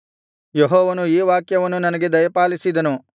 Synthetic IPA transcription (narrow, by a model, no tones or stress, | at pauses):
jeɦɔːʋɐnuiːʋaːkjɐʋɐnːunɐnɐɡe̞d̪ɐjɐpaːlisid̪ɐnu